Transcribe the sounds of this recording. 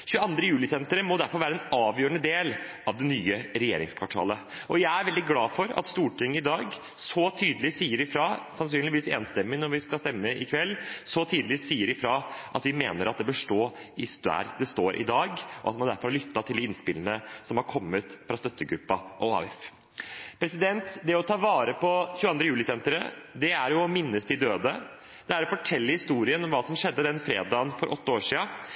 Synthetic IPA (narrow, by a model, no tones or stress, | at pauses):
ɕʉːəɑnd̪ɾəjʉːlɪsɛnt̪əɾəmɔd̪æɾfɔɾʋæːɾəɛːnɑːʋjøːɾəɳəd̪eːl | ɑʋd̪ɛnyːəɾɛjḛːɾɪŋskʰʋɑʈʰɑ̰ːlə | ʔɔjæɪæɾʋɛld̪ɪɡlɑːfɔɾɑ̰t̪st̪uːʈɪŋːəɪd̪ɑːɡ | sɔt̪ʰyːd̪əlɪsiːəɾɪfɾɑːsɑns̬yːnlɪʋiːseːnst̪ɛmːɪnɔɾʋɪskɑlst̪ɛmːəɪkʰʋɛlːsɔt̪ʰiːd̪lɪsiːəɾɪfɾɑʔɑt̪ʋɪmeːnəɾʔɑt̪̚d̪ɛbəʂʈoːɪsd̪æ̰ːɾd̪ɛst̪oːɾʔɪ̰d̪ɑːɡʔɔɑt̪mɑnd̪æɾfɔɾhɑlʏt̪ːɑt̪ʰɪld̪ɪɪnspɪlənəsɔmhɑɾkʰɔmːət̪fɾɑst̪œt̪ʰːəɡɾʉpːɑʔɔɑ̰ːɪf | pʰɾɛsɪd̪ɛnt̪d̪ɛɔt̪ʰɑːʋɑːɾəpʰɔçʉːɑnd̪ɾəjʉːlɪsɛnt̪ɾəd̪ɛæɾjʊɔmɪnːəst̪ʰɪld̪øːd̪ə | d̪̥ɛæɾɔfɔʈʰɛlːəhɪst̪uːɾɪənɔmʋɑːsɔmʂɛd̪ːəd̪ɛnfɾeːd̪ɑːənfɔɾʔɔt̪ːəoːʂiːɑ